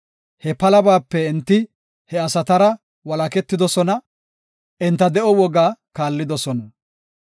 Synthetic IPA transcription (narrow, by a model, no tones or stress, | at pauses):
hɛpɐlɐbaːpːɛɪnt̪ːɪ | hɛɐsɐt̪ɐɾɐ | wɐlɐkɛt̪ːɪd̪ɔsɔnɐ | ʔɪnt̪ːɐd̪ɛʔɔwɔɡaːkaːlːɪd̪ɔsɔnɐ